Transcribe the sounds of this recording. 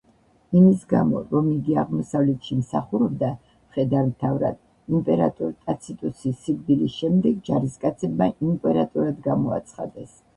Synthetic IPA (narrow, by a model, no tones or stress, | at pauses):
imisɡa̰mɔ̰ɾɔmiɡiaʁmɔsavlɛt̪ʃimsaχuɾɔbd̪a | mχɛd̪aɾmt̪ʰavɾa̰d̪̥ | impʼɛɾa̰t̪ʼuɾt̪ʼat̪sʰit̪ʼusisiɡb̪ilisʃɛmd̪ɛɡd͡ʒaɾiskʼat̪sʰɛbmaʔimpʼɛɾat̪ʼuɾad̪ɡamɔa̰t̪sʰχa̰d̪ɛs